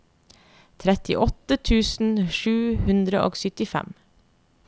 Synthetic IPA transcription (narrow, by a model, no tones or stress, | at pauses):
t̪ʰɾɛt̪ɪ̰ʔɔt̪ət̪ʰʉːsn̩ʃʉːhʉnd̪ɾəʔo̰ːɡsʏt̪ɪfɛ̰m